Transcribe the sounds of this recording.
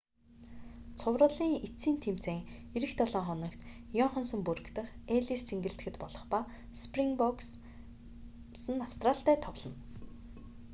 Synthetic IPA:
t͡sʰʊwrʊːɮiːŋit͡siːnt̪ʰem̥t͡seːŋeɾɘ̆xt̪ʰɔɮɔːŋχɔnɞ̆kt̪jɔɴχɞ̆nsə̆mpuɾɘ̆kt̪ə̆χeɮist͡sʰeŋɡɘ̆ɬt̪ɡɘ̆t̪pɔɮɞ̆χpa | spriŋpɔks | sə̆naw̥st̪raɬt̪æːt̪ʰɔʁɮɞ̆n

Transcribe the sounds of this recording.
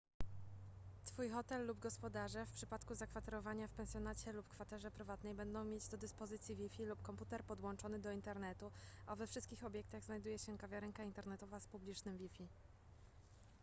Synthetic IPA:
t̪fujxɔt̪ɛlːubɡɔspɔd̪aʐɛfpʂɘpat̪kuzakfat̪ɛɾɔvaɲafpɛnsʲjɔnat͡ɕɛlupkfat̪ɛʐɛpɾɘvat̪nɛjbɛnd̪ɔ̃w̃mʲjed͡ʑd̪ɔd̪ɘspɔzɘt̪sʲjivʲifʲilupkɔmput̪ɛɾpɔd̪wɔnt͡ʂɔnɘd̪ɔint̪ɛɾnɛt̪uavɛfʂɘst̪̚kʲixɔbʲjɛk̚t̪aɣznajd̪ujɛɕɛkavʲjaɾɛŋkaint̪ɛɾnɛt̪ɔvaspublʲit͡ʂnɘmvʲifʲi

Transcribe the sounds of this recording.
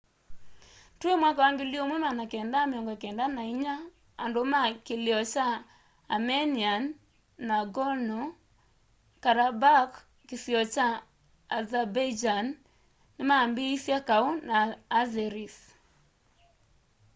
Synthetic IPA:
twemwakawaŋɡeljomwemanakɛndamjɔŋɡakɛndanaiɲa | andomakeljɔt͡ʃaː | mɛnianː | aɡɔnɔ | kaɾabak | kɪsjɔt͡ʃaː | zabad͡ʒanː | ɪmambiisjakaonaːzɛɾis

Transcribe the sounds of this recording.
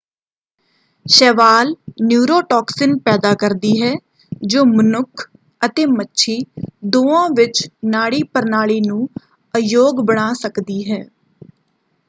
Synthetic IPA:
ʃɛːʋaːlnjuːɾoːʈɔːksɪnpɛːd̪aːkəɾd̪iːɦɛː | d͡ʒoːmənʊkʰ | ət̪eːmətːʃʰiːd̪oːãːʋɪt͡ʃnaːɽiːpəɾnaːɭiːnũː | əjoːɡbəɽ̃aːsəkd̪iːɦɛː

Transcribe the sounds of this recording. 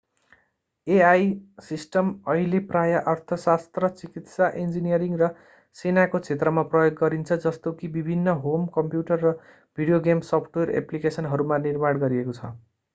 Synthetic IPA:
eajsisʈʌmʌɦileprajaʔʌrt̪ʰʌsast̪rʌt͡sikit̪saʔend͡zinijʌɾiŋrʌ | senakot͡sʰet̪̬rʌmaprʌjoɡːʌɾint͡sʰʌd͡zʌst̪okibibʱinːʌɦomkʌmpjuʈʌrːʌ | bʱiɽijoɡemsʌpʰʈwʌrḛplikesʌnɦʌɾumanirmaɽɡʌɾiekot͡sʰʌ̰

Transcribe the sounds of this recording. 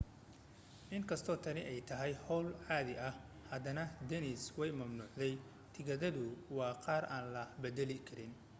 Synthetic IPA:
ʔɪŋkʰɐst̪ʰɔːt̪ʰɐnɪʔɛjt̪ʰɐɦɛjhɔːlʕɑːðɪʔɐh | hɐd̪ɐnɐd̪ɛnɪswɛjmɐmnuːʕd̪ɛj | t̪ʰɪɣɐðɐðʊwɑːqɑːrʔaːnlɐbɛd̪ɛlɪkʰɐɾɪn

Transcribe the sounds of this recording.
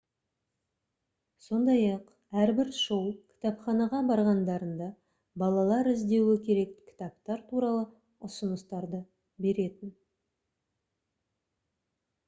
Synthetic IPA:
so̞nd̪ɑjɑq | æɾbɪɾʃəwkʲʰɪ̥t̪ɑpχɑnɑʁɑbɑɾʁɑnd̪ɑɾənd̪ɑ | bɑlˠɑlˠɑɾɪzd̪e̞wɪkʲʰe̞ɾe̞kkʲʰɪ̥t̪ɑpt̪ɑɾt̪ʰuɾɑlˠə | ʊsənəst̪ɑɾd̪ə | be̞ɾe̞t̪ɪn

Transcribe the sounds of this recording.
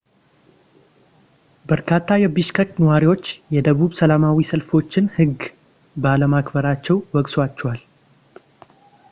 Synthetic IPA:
bəɾkʰat̪ʰːajɛbɨʃkʰəknəwaɾiwo̞t͡ʃːjɛd̪əβuβsəlamawisəlfo̞t͡ʃːɪnhɨɡ | bəaləmakbəɾat͡ʃːɛwwɔɡswat͡ʃːɛwal

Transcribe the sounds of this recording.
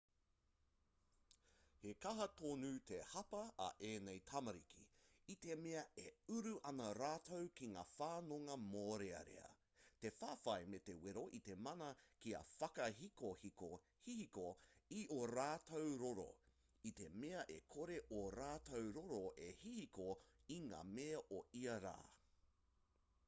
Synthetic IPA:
hekɐɦɐtoːnʉːtʰehɐpɐɐ̰ʔeːnejtʰɐmɐɾḭkʰḭit̪emeɐeʉɾuʔɐnɐɾaːtʰowkiŋaːfaːnoŋɐmoːɾeɐ̰ɾḛɐ̰ | te̞faːfɐjmet̪eweɾo̞ʔit̪e̞mɐnɐkiɐ̰fɐkɐɦikohiko | hihikoioɾaːtʰowɾoɾo̰ | it̪e̞meɐʔekʰoɾe̞ʔoɾaːt̪owɾoɾoʔehihikoiŋa̰ːmeɐʔoiɐɾa̰ː

